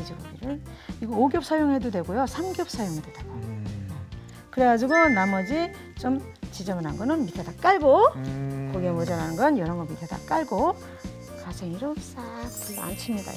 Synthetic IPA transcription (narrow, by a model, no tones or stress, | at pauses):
ed͡ʑʌboɡiɾɯɭ | iɡʌoɡjʌp̚s͈ʰajoŋɦe̞dodwe̞ɡojosʰamɡjʌp̚s͈ʰajoŋidwed̥aɡ̥o | kɯɾe̞ɡad͡ʑiɡonamʌd͡ʑi | t͡ɕom | t͡ɕid͡ʑʌbɯnanɡʌnɯnmit̪ʰad̪ak͈aɭɡo | koɡemod͡ʑaɾanɯnɡʌnjʌɾʌŋɡʌmit̪ʰeda̰kk͈aɭɡo | kasʰeŋiɾʌs͈akpuɭːoa̰nt͡ɕʰɯmɲida̰